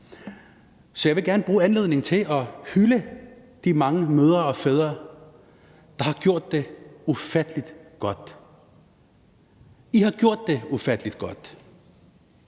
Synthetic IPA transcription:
sɒjɑ̈ɪʋe̝ɡ̥æɐnəb̥ʁuːænle̝ð̞̰ˠne̝ŋ̩t͡sʰe̝ʔɒ̽hyləd̥imɑ̈ŋəmøð̞ˠɐɒ̽feːð̞ˠʁɐ | d̥ɑ̈hɑ̈ɡ̥jo̝ɐ̰d̥ːe̝ufæd̥əlid̥ɡ̥ɒ̽d̥ | ihɑ̈ɡ̥jo̝ɐ̰d̥ːe̝ufæd̥əlid̥̚ɡ̥ɒ̽d̥

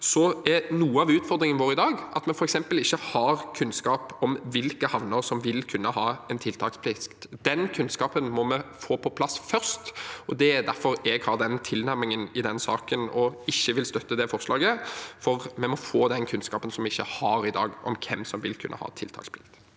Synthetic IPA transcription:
sɔɛnuːəɑʋʉːt̪fɔʁd̪ɾɪŋənʋoːɾɪd̪ɑːɡʔɑt̪mɛnfɔɾɛksɛmpəlɪçːəhɑɾkʰʉnːskɑːpɔmʋɪlkəhɑʋnəɾsɔmʋɪlkʰʉnːəhɑːɛnt̪ʰɪlt̪ʰɑːkspʰlɪskt̪d̪ɛnkʰʉnskɑːpənmɔmɛfoːpʰɔpʰlɑsːfœʁst̪ɔd̪ɛæd̪æɾfɔɾɛɡhɑːʁd̪ɛnt̪ʰɪlnæɾmɪŋənɪd̪ɛnsɑ̰ːkənɔɪçːəʋɪlst̪œt̪ːəd̪ɛfɔʁslɑːɡəfɔɾmɛmɔfoːd̪ɛnkʰʉnskɑːpənsɔmɪçːəhɑɾɪd̪ɑ̰ːɡʔɔ̰mkʰɛmsɔmʋɪlkʰʉ̰nʔə̰hɑ̰ːɛt̪ʰɪ̰lt̪ʰɑ̰kspʰlɪ

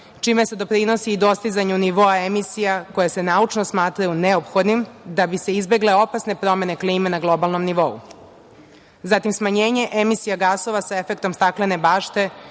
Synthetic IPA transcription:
t͡ʃimese̞d̪o̞pɾino̞siːd̪o̞st̪izaɲuniʋo̞aemisijako̞jese̞naut͡ʂnosmaːt̪ɾajuneopxo̞d̪nimd̪abise̞izbe̞ɡle̞o̞pasne̞pɾo̞me̞ne̞kliːmenaɡlˠo̞balˠno̞mniʋo̞ṵ | zat̪imsmaɲe̞ːɲe̞ʔemisijaɡaso̞ʋasae̞fe̞k̚t̪o̞mst̪aklene̞baːʃt̪e̞

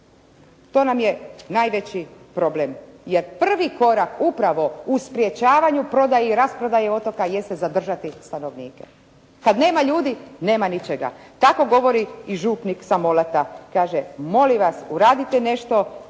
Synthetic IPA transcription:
t̪o̞ːnamjenaːjʋet͡ɕipɾo̞blemjeɾpr̩ʋiko̞ɾakupɾaʋo̞uspɾje̞t͡ɕaːʋaɲupɾo̞d̪ajeiɾaspɾod̪ajeo̞t̪o̞kaje̞st̪ezad̪r̩ʒat̪ist̪ano̞ʋniːkḛ | kad̪ne̞ːmaʎuːd̪ine̞ːmanit͡ɕeɡa̰t̪ako̞ɡo̞ʋo̞ɾiiʒuːpniksamo̞lat̪akaːʒemo̞liʋasuɾaːd̪it̪ene̞ʃt̪o̞

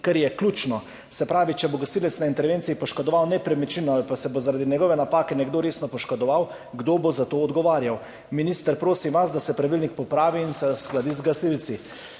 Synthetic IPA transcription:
kɛɾjɛklʲuːt͡ʃnɔ | sɛpɾaːʋit͡ʃɛboɡasiːlɛt̪snaint̪ɛɾʋeːnt̪siipɔʃkɔd̪ɔʋawnɛpɾɛmɛt͡ʃinɔalpasɛbozaɾaːd̪inɛɡɔʋɛnapaːkɛnɛɡd̪oɾeːsnɔpɔʃkɔd̪ɔʋaw | ɡd̪oːbozat̪oːɔd̪ɡɔʋaːɾjaw | minist̪əɾpɾoːsiʋazd̪asɛpɾaʋilnik̚pɔpɾaːʋiːnsɛwsklad̪izɡasilt̪si

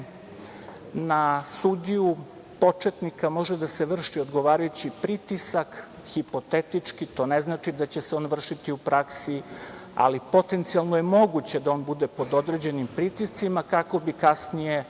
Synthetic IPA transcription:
nasud̪iju | po̞t͡ʂe̞t̪nikamo̞ʒed̪ase̞ʋr̩ʃiod̪ɡo̞ʋaːɾajut͡ɕipɾit̪isak | xipo̞t̪et̪it͡ʂkit̪o̞ːneznaːt͡ʃid̪at͡ɕe̞seo̞ːnʋr̩ʃit̪iupɾaksia̰lipo̞t̪e̞nt̪sialˠnoje̞mo̞ɡut͡ɕe̞d̪ao̞ːnbud̪epo̞d̪o̞d̪ɾe̞d͡ʑe̞nimpɾit̪ist̪simakako̞bikasnije̞

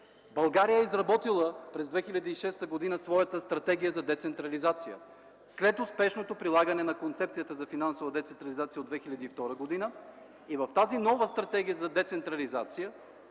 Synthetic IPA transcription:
bɐlˠɡaɾijəɛizɾɐbɔt̪ilˠəpɾɛzd̪vɛxilʲɐd̪iːʃɛst̪əɡod̪inəsvɔjət̪əst̪ɾɐt̪ɛɡ̟ʲijəzɐd̪ɛt̪sɛnt̪ɾɐlizat̪sijə̰ | slɛt̪ʊspɛʃnot̪opɾilˠaɡənɛnɐkont̪sɛp̚tsijət̪əzɐfinansovɐd̪ɛt̪sɛnt̪ɾɐlizat̪sijəod̪vɛxilʲɐd̪iːft̪ɔɾəɡod̪inə | ivɐft̪azinɔvəst̪ɾɐt̪ɛɡ̟ʲijəzɐd̪ɛt̪sɛnt̪ɾɐlizat̪sijə

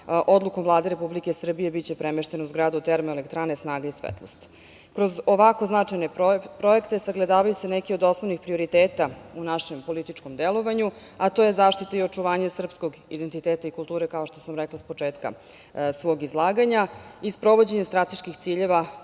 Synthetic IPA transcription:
ʔo̞d̪lukomvlˠaːd̪eɾepublike̞sr̩bije̞bit͡ɕe̞pɾemeʃt̪enouzɡɾaːd̪ut̪eɾmoelekt̪ɾanesnaːɡaisʋḛt̪lˠost̪ | kɾozoʋako̞znat͡ʂajne̞pɾo̞ekt̪e̞saɡlˠed̪aːʋajusenɛkiod̪o̞sno̞ʋnixpɾio̞ɾit̪eːt̪aunaʃe̞mpo̞lit̪it͡ʂko̞md̪elo̞ʋaɲu | at̪o̞je̞zaːʃt̪it̪aio̞t͡ʂuʋaːɲasr̩psko̞ɡid̪e̞nt̪it̪eːt̪aikulˠt̪uːɾekao̞ʃt̪o̞samɾɛklˠaspo̞t͡ʂeːt̪ka̰ | sʋo̞ːɡizlˠaːɡaɲaispɾo̞ʋo̞d͡ʑeɲest̪ɾat̪e̞ʃkixt̪siːʎe̞ʋa

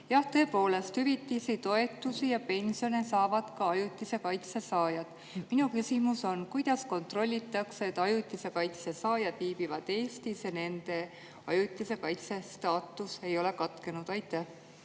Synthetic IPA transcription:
jɑht̪ø̞ːpo̞ːle̞st̪hyvit̪ːˑisit̪o̞e̞t̪ːˑusijɑpe̞nʲsio̞ne̞sɑːvɑd̪̥kɑɑjut̪ːˑise̞kɑjt̪se̞sɑːjɑd̪̥ | minukysimuso̞nkujd̪̥ɑsko̞nt̪ˑro̞lʲːit̪ːˑɑkseet̪ːˑɑjut̪ːˑise̞kɑjt̪sesɑːjɑd̪̥viːbivɑd̪̥e̞ːst̪isjɑne̞nd̪̥e̞ | ɑ̰jut̪ʲːˑise̞kɑjt̪se̞st̪ɑːt̪ːˑuse̞jo̞le̞kɑt̪ke̞nud̪̥ɑjt̪ːˑeh

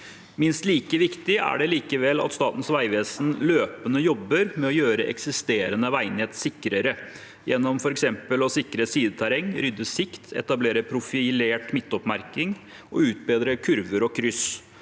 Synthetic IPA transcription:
mɪnst̪liːkəʋɪkt̪ɪæ̰ɖɛliːkəʋɛlɑ̰t̪st̪ɑːt̪n̩sʋæɪʋeːsn̩løːpənəjɔbːəɾmɛɔjøːɾəʔɛ̰ksɪst̪eːɾənəʋæɪnɪheːt̪sɪkɾəɾə | jʔɛnːɔmfɔɾɛksɛmpəlɔsɪkɾəsiːd̪ət̪ʰæɾɛŋːɾʏd̪ːəsɪkt̪ʰɛ̰t̪ɑbleːɾəpʰɾʊfɪleːʈmɪt̪ːɔpmæɾkɪŋ | ʔɔ̰ʉːt̪̚beːd̪ɾəkʰʉɾʋəɾɔkʰɾʏs

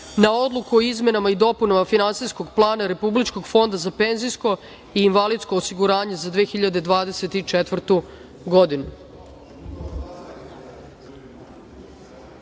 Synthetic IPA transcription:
nao̞d̪lˠukuoizme̞namaid̪o̞punamafinansisko̞ɡplˠaːnaɾe̞publit͡ʃko̞ɡfo̞nd̪azapenzijsko̞ | iːnʋalid̪sko̞ːsiɡuɾaːɲe̞zad̪ʋeːxiʎad̪e̞d̪ʋaːd̪e̞se̞t̪it͡ʃet̪ʋrt̪u | ɡo̞d̪inu

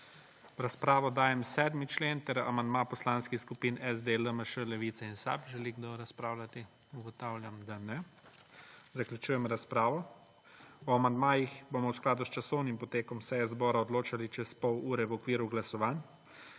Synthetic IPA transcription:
ɾaspɾaːʋɔd̪aːjɛmsɛːd̪mit͡ʃleːnt̪ɛɾa̰mand̪mapɔslaːnskixskupiːnɛzd̪eləməʃəlɛʋiːt̪sɛinsa̰pʒɛliɡd̪oɾaspɾaːwlʲat̪i | uɡɔt̪aːwlʲjamd̪anɛ | zaklʲjut͡ʃuːjɛmɾaspɾaːʋɔ | ɔamand̪maːjixbomɔwsklaːd̪ust͡ʃasɔwnimpɔt̪eːkɔmsɛjɛzbɔːɾaɔd̪loːt͡ʃalit͡ʃɛspɔwuːɾɛwɔkʋiːɾuɡlasɔʋaːn

